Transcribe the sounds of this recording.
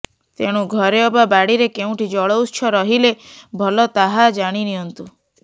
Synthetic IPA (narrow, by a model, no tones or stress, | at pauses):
t̪eɽ̃ũɡʱɔɾeɔbabaɽiɾekeũʈʰid͡ʒɔɭɔwst͡ʃʰɔɾɔɦilebʱɔlɔt̪aɦad͡ʒaɽ̃iniɦɔnt̪u